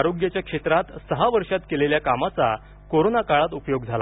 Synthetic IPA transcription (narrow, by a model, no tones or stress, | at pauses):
aɾoɡjat͡ɕjakʂet̪ɾat̪səɦaʋəɾʂat̪keleljakamat͡sa | koɾonakaɭat̪upjoɡd͡zʱala̰